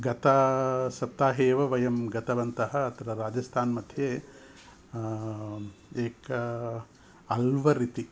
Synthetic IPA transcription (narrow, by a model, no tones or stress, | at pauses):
ɡɐt̪ɐsɐp̚t̪aːɦeːʋɐʋɐjɐmɡɐt̪ɐʋɐnt̪ɐɦɐːt̪ʰɐɾɐɾaːd͡ʒɐst̪ʰaːnmɐd̪ʱjeː | eːkɐ | ɐlʋɐɾit̪i